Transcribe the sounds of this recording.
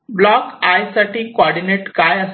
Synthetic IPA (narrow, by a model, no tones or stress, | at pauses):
blɔkajsaʈikoɔɽineʈkajəs